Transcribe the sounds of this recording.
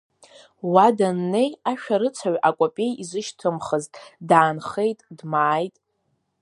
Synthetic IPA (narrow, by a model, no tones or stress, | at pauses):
wadanːe̞jaʃᶣaɾɨt͡sʷʰaɥakʷʼopʲʼe̞jizɨʃtʰɨmχəztʼdaːnχe̞jtʼdmaːjtʼ